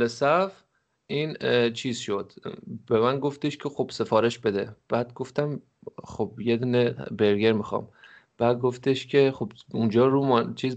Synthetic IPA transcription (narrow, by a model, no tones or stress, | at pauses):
lesæf | ʔiːnt͡ʃʰiːz̥ʃod̪̥bemænɡo̞ft̪eʃkʲʰexob̥se̞fɒːɾe̞ʃbe̞d̪ḛb̥æːd̪̚ɡo̞ft̪æm | xob̥jed̪uːnebeɾɡeɾmixɒ̰ːm | b̥æd̪̚ɡoft̪ʰeʃkʰe̞χob̥und͡ʒɒːɾuːmɒt͡ʃʰiːz